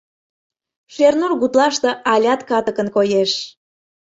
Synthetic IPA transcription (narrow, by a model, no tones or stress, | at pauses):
ʃernurɣut̪lɑʃt̪eʔɑlʲɑt̪kɑt̪əkənkojeʃ